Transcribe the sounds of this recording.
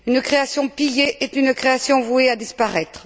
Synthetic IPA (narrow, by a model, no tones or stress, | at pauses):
ynkχeasjɔ̃pijeʔɛt̪ynkχeasjɔ̃vuead̪ispaʁɛt̪χ